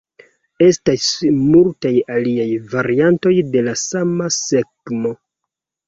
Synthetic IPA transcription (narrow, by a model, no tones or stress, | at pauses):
e̞stasmultajaliajvaɾianto̞jde̞lasamase̞ɡmo̞